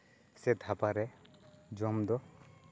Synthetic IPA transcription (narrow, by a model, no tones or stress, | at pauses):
sɛd̪ʱapaɾɛd͡ʒɔmd̪ɔ